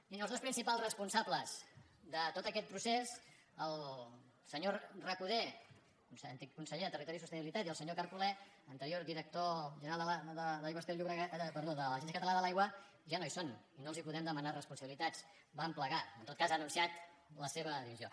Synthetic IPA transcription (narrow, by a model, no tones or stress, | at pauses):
inəlzðospɾinsipalˠzrəspunsabləz̥ | d̪ət̪ot̪əkɛt̪̚pɾusez | əlˠ | səɲorəkuðe | kunsənt̪ikːunsəʎeðət̪ərit̪ɔɾisust̪əniβilit̪at̪iəlˠsəɲokaɾpulɛ | ənt̪əɾiod̪iɾək̚t̪oʒənɾalˠd̪əlaðəðajwəst̪eʎuβɾəɣapəɾðoðələʒensjəkət̪əlanðəlajɣwə | ʒanoison | inolˠzipuðɛmd̪əmənarəspunsəβilit̪at͡s | bampləɣaənt̪ot̪kazanunsiat̪ləseβ̞əðiβizio